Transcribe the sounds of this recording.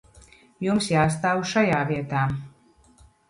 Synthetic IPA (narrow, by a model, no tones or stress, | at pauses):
jumsjaːs̬t̪aːwuʃajaːviɛt̪aː